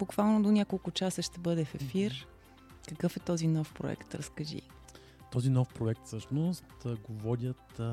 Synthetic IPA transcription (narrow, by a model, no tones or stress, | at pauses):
b̥ʊkvalˠnod̪onʲakolˠkʊt͡ʃasəʃt̪ɛbɤd̪ɛfɛfiɾ | kəkɤfɛt̪ɔzinɔfpɾo̰ɛ̰kt̪ɾə̰skəʒḭ | t̪ɔzinɔfpɾoɛkt̪fsɤʃnost̪ɡovɔd̪ʲət̪